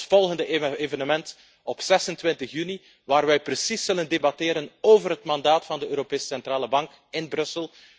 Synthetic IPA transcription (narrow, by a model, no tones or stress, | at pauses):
fɔlˠɣəndəevənəmɛnt | ɔpsɛsəntʋɪntəxjyni | ʋaːrʋɛjprəsisːɵləndebɑteːɾənoːvərɦətmɑndaːtfɑndəøːɾopeːsə̥sɛntɾaːləbɑŋk | ɪnbrɵsəlˠ